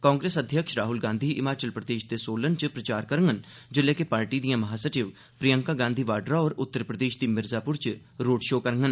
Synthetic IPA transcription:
kaːŋɡɾeːsəd̪ʱjəkʃɾaːɦʊlɡãːnd̪ʱiːʔɪmaːt͡ʃəlpɾəd̪eːʃd̪eːsoːlənt͡ʃpɾət͡ʃaːɾkəɾəŋɡən | d͡ʒɪlːɛːkepaːɾʈiːd̪ijãːməɦaːsəʈɪʋ | pɾijəŋkaːɡãːnd̪ʱiːʋaːɖɾaːɔːɾʊt̪ːəɾpɾəd̪eːʃd̪iːmɪɾzaːpʊɾt͡ʃ | ɾoːɖʃoːkəɾŋɡən

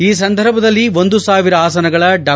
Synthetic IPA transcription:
iːs̬ɐnd̪ʱɐɾbʱɐd̪ɐlːio̞nd̪usaːʋiɾɐaːsɐnɐɡɐɭɐɖaː

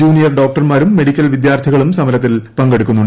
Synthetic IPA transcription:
uːnijɐrɖo̞ːk̚ʈɐrmaːɾumːe̞ɽikʲːɐlʋid̪jaːrt̪ʰiɣɐɭumsɐmɐɾɐt̪̬ːilpɐŋɡe̞ɽukʲːunːuɳɖ

